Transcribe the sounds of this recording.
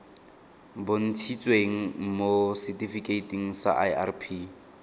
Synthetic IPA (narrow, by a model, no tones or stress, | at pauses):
bon̩tʰit͡sʼweŋ̩mosɛtʼifikʼeitʼiŋ̩sa̰ʔa̰ja̰rpʰi